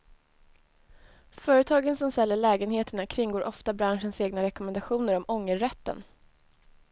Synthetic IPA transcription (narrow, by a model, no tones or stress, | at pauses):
fœːɾət̪ʰɑːɡənsɔmst̪ɛlːəɭɛːɡənheːt̪əɳakʰɾɪŋːɡoːɾʔɔft̪abɾanʂənseːɡnaɾɛkɔmɛnd̪aɧuːnəɾɔmɔŋːəːɛt̪ːə̰n